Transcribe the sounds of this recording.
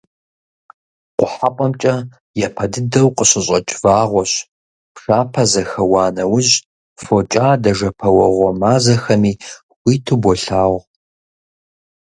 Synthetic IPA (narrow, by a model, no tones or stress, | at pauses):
qʷʊħapʼɐmt͡ʃʼɐ | jɛpʰɐdɨdɐwqʼəɕʼɪɕʼɐt͡ʃʼvaːʁʷɔɕ | pʰʂaːpʰɐzɐxɐwɑːnɐwʊʑ | fot͡ʃʼaːdɐʒɐpʰɐwɐʁʷɔmaːzɐxɐmiː | xʷiːtʰubʷɔɬaːʁʷ